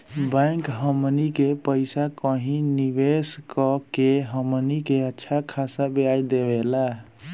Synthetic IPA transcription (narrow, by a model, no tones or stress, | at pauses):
bãjkɦəmnikepəɪsakəɦĩniʋeskəkeɦəmnikeətːʃʰakʰasabeajd̪ebela